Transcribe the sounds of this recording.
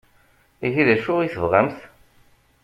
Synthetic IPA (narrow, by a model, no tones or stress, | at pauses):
iθiðæʃʊʁiθəvʁæmθ